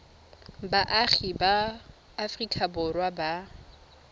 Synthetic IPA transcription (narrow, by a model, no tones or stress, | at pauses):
baʔaχibaː | frikʼabʊrwaba